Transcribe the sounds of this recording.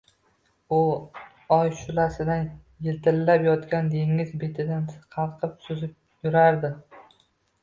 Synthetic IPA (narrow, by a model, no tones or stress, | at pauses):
ʊ | ɒjʃʊlasɪd̪an | jɪlt̪ʰɪlːapjɒt̪kʲand̪e̞ŋɪzbet̪ʰɪd̪anqʰɑlˠqʰɨpsʊzɪp̚ | jʊɾaɾd̪ɪ